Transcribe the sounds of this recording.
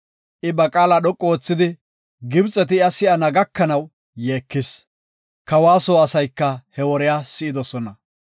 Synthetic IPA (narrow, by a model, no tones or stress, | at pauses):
ʔɪbɐkʼaːlaɗɔkʼːo̞ːt͡sːɪd̪ɪ | ɡɪbt͡sʼːɛt̪ɪɐsɪʔɐnɐɡɐkːɐnɐw | jeːkːɪs | kɐwaːsoːɐsɐjkːɐhɛwɔɾɛjaːsɪʔɪd̪ɔsɔnɐ